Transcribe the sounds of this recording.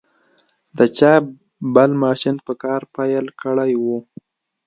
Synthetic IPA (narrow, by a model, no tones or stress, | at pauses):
d̪ət͡ʃɑ | bəlmɑʃɪnpəkɑɾpajəlkəɽajwu